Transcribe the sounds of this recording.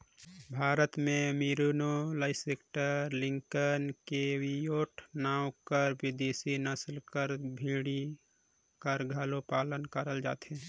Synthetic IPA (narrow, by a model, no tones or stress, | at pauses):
bʱaːɾət̪mẽmiɾunoləɪsekʈəɾlɪ̃ŋkənkewijoːʈʰnaːwkəɾwɪd̪eːsinəslkəɾbʱiːɽi | kəɾɡʱalopaːlənkəɾəld͡ʒa̰ːt̪e